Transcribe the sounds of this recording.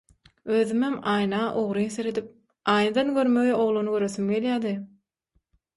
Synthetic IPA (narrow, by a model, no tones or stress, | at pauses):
øːðymɦemɑːjnɑːʔoʁɾɯjnθeɾed̪ip̚ | ɑːjnɑd̪ɑnɡøɾmø̞ɣeoʁlˠunuɡøɾøθymɡe̞ljæːd̪ɯ